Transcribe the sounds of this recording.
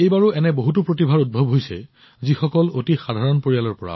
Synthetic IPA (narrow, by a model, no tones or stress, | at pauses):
ejbaɹuʔɛnɛboɦutupɹot̬ibʱaɹud̚bʱɔbɦojsɛ̰ | zixɔkɔlotixadʱaɹɔnpoɹijalɔɹpɔɹa̰